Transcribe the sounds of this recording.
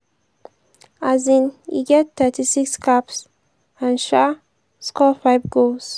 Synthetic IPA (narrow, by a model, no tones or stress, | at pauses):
azĩnḭɡɛtt̪ɛtisikskʰaps | ãnʃa | skʰɔfaɪvɡos